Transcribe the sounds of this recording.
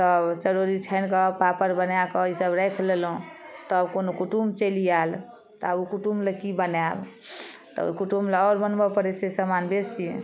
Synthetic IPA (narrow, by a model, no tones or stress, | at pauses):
t̪əbt͡ʃəɾoɾit͡ʃʰəjnkəpapəɾbənjakɔisəbɾəkʰlelɦũt̪ɔbkonokuʈumt͡ʃelijal | t̪abukuʈumləkibənabt̪ɔ̰ṵkuʈumleɔɾbənbəpəɾesesəmanbesiẽ